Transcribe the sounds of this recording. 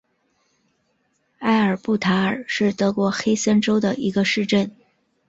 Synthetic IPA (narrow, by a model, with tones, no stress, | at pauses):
a˥˩ɪə˞˨˩pu˥˩t̪ʰa˧˥ə˞˨˩ʂɻ̩˥˩t̪ɤ˧˥kwɔ˧˥xe˥ɪsə˥nʈ͡ʂo˥ʊd̪ə˨ʔi˧˥ɡə˧ʂɻ̩˥˧ʈ͡ʂə˥˩n